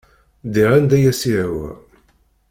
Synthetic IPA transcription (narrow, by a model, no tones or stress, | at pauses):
d̪iʁand̪æjæsiwæ̰